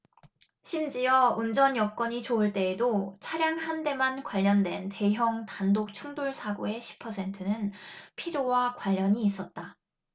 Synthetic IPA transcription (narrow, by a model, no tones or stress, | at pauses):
ɕʰimd͡ʑijʌund͡ʑʌnjʌk͈ʌɲit͡ɕoɯɭt͈e̞ːdot͡ɕʰaɾjaŋhande̞mankwaʎːʌndwe̞nte̞ɦjʌŋtandok̚t͡ɕʰuŋdoɭsʰaɡoe̞ɕʰi̥pʰʌsʰe̞ntʰɯnɯnpʰiɾjowakwaʎːʌɲiːs͈ʌt̚t͈a